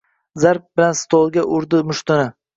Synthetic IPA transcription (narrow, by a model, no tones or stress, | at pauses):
zaɾp̚bɪlanst̪ʰolˠɡʲaʔʊɾd̪ɪmʊʃt̪ɪnɪ